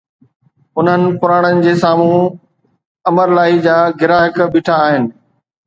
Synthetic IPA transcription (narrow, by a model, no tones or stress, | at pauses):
ʊn̤ənɪ̆pʊɾaːɽ̃ənɪ̆d͡ʑeːsaːm̤ũ | ɐməɾlaːid͡ʑaːɡɪɾaːɦɪkbɪːʈʰaːɦɪnɪ̆